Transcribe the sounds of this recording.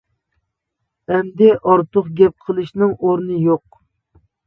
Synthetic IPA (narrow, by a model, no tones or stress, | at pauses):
æmd̪ɪʔɑɾt̪ʊχɡʲɛp̚qʰəlˠɨʃnɪŋoɾnɨjoq̚